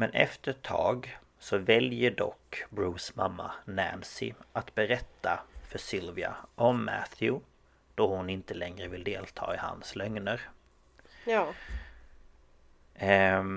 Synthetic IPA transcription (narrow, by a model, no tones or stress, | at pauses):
mɛnʔɛ̰ft̪əɾɛt̪ʰːɑːɡ | sɔvɛljəɖɔ̰kːbɾuːsmamːa̰næ̰nsɪ̰ʔat̪bɛɾɛt̪ʰːafœʂɪlvɪa̰ʔɔmːæ̰θʰjʊ | d̪̥ɔhʊnɪnt̪əlɛŋɾəvɪld̪eːlt̪ʰɑ̰ːɪha̰nslœŋnəɾ